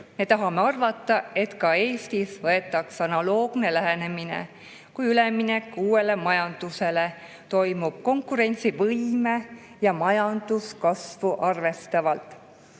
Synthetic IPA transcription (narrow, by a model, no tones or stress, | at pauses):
me̞t̪ɑɦɑme̞ɑrvɑt̪ˑːɑe̞t̪kɑe̞ːst̪isvɤe̞t̪ːˑɑksɑnɑlo̞ːɡ̥ne̞læɦene̞minḛ | kujylemːinekːˑuːe̞le̞mɑjɑnd̪̥use̞le̞ | t̪o̞jmub̥̚ko̞ŋkuɾe̞nʲt̪sivɤjme̞ | jɑmɑjɑnd̪̥uskɑsvuʔɑrve̞st̪ɑvɑlt̪ˑ